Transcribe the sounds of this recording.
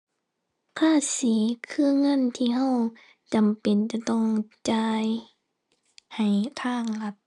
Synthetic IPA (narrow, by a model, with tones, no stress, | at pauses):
kʰaː˧˥˨siː˨˦kʰɯː˧˥˨ŋɤ˧˥˨nt̪ʰiː˧˩˨ɦa˧˨w | t͡ɕa˨mpe˨nt͡ɕa˧˦t̪ɔ˧˥˩ŋt͡ɕaː˧˩j | ha˨˩jt̪ʰaː˧˥˨ŋla˧t̪̚